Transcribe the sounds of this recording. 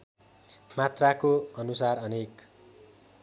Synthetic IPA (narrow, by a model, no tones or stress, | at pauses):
mat̪rakoʌnusarʌnek